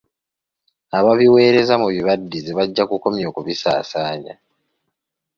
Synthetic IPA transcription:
aβaβiwe̞ːɾe̞zamuβiβadːizeβaɟːakuko̞mjo̞ːkuβisa̰ːsaːɲa̰

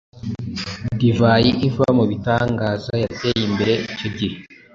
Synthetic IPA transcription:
divajiʔiɱva̰muβitaːŋɡaːzajate̞jimbe̞ɾe̞it͡ʃoɟiɾe

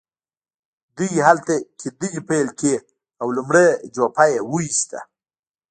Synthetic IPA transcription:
d̪ujɦalt̪aked̪ujipelke | awlumɽed͡ʒopajewuist̪a̰

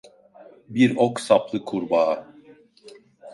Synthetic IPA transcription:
biɾoksaplˠɯkʰuɾbaː

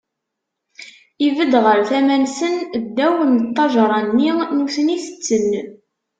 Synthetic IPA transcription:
ivəd̪ʁəɾθæmænsənd̪ːæwənt̪ˤːɑʒɾˤɑnːinuθəniθə̥t͡sːənː

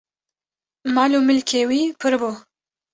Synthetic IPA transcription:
mɑːlumɪlkʰewipʰɨɾbu

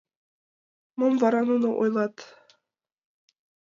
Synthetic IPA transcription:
momvɑɾɑnunɤʔojlˠɑt̪

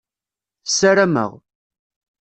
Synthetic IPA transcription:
saɾæmə̰ʁ

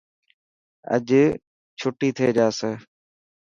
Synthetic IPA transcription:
ə̰ʄ | t͡ʃʰʊʈiːt̪ʰieːd͡ʒaːseː

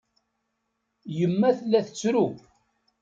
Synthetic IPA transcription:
jəmːæθəlːæθət͡sːɾu

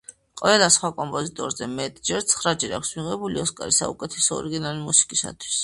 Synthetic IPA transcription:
qʼvɛlasχwakʼɔmpʼɔzit̪ʼɔɾzɛmɛt̪ʼd͡ʒɛɾt̪sʰχɾad͡ʒɛɾa̰kʰsmiʁɛbuliɔskʼaɾisa̰ṵkʼɛt̪ʰɛsɔɔ̰ɾiɡinalimusi̥kʼisa̰t̪ʰwi̥s

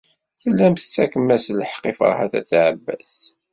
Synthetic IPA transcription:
θəlːæmθət͡sːækəmːæsləħqifə̰ɾˤha̰θæ̰θʕəbːæs

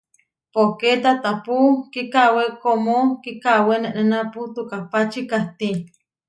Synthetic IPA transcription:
poket̪at̪apukikawekomokikaweneʔnenaput̪ukapat͡ʃikaht̪i

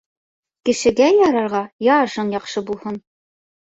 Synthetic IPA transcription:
kɘ̆ʃɘ̆ɡæjɒɾɑɾʁɑjɑʃɤɴjɒqʃɤbulˠhɤn

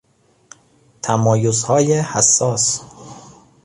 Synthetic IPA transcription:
t̪ʰæmɒːjozhɒːjehæsːɒːs

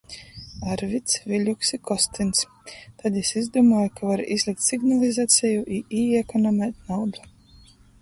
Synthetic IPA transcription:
aɾvit̪sviʎʲuksikɔst̪ins | t̪ad̪isizd̪umɔːjkavaɾizlˠik̚t̪siɡnalˠizat̪sʲɛjuʔiʔiːɛkɔnamɛjt̪nawd̪u

